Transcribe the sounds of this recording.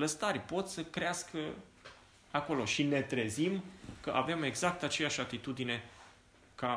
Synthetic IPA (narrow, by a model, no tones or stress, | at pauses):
ləst̪arʲpo̞t̪səkɾeaskə | ako̞lo̞ʃine̞t̪ɾe̞zimkəʔaveme̞ɡzak̚t̪at͡ʃe̞jaʃʲat̪it̪ud̪ine̞ | ka